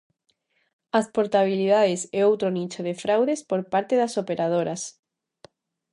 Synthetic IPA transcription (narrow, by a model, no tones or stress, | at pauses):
aspoɾt̪aβ̞iliðaðeseowt̪ɾonit͡ʃoðefɾawðespoɾpaɾt̪eðasopeɾað̞oɾas